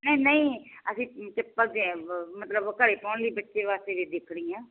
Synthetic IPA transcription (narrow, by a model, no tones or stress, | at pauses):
nəːnəĩːəsĩːk̪ɪpəd̪ẽmət̪ləbkəɽeːpaːɳliːbətːʃeːʋaːst̪eːʋiːd̪ekʰɽiːãː